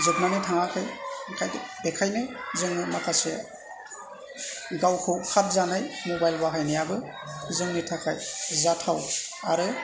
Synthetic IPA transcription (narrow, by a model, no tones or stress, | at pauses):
zɯk̚nanitʰaŋakʰɯjkʰajbekʰajnɯzɯŋɯmakʰase | ɡawkʰɯwkʰat̚zanajmɔbajlbaɦajnijabɯ | zɯŋnitʰakʰajzatʰawaɾɯ